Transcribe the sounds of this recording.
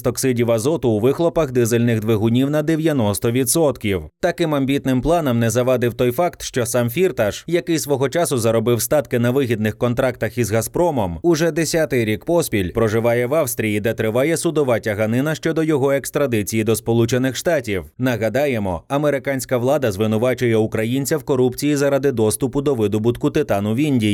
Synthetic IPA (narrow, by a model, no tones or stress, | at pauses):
st̪ɔksɪdʲiwɐzɔt̪ʊːʋɪxlˠɔpɐxd̪ɪzelʲnɪɣd̪ʋeɦʊnʲiwnɐd̪eʋʲjɐnɔst̪ɔʋʲid̪sɔt̪kʲiwt̪ɐkɪmɐmbʲit̪nɪmplˠɑnɐmnɛzɐʋɑd̪ɪwt̪ɔjfɑkt̪ʃt͡ʃɔsɑmfʲirt̪ɐʃjɐkɪjsʋɔɦɔt͡ʃasʊzɐɾɔbɪwst̪ɑt̪kɪnɐʋɪɦʲid̪nɪxkɔnt̪ɾɑkt̪ɐxizɣɐspɾɔmɔmʊʐɛd̪esʲat̪ɪjɾʲikpɔspʲilʲpɾɔʒɪʋɑjɛʋɑwst̪ɾʲijid̪ɛt̪ɾɪʋɑjɛsʊd̪ɔʋɑtʲɐɦɐnɪnɐʃt͡ʃɔd̪ɔjɔɦɔɛkst̪ɾɐd̪ɪt͡sʲijid̪ɔspɔlˠut͡ʃenɪxʃt̪ɑtʲiwnɐɦɐd̪ɑjɛmɔɐmeɾɪkanʲsʲkɐʋlˠɑd̪ɐzʋɪnʊʋɑt͡ʃʊjɛʊkɾɐjinʲt͡sʲɐwkɔɾupt͡sʲijizɐɾad̪ɪd̪ɔst̪ʊpʊd̪ɔʋɪd̪ʊbʊt̪kʊt̪ɪt̪ɑnʊʋʲinʲdʲi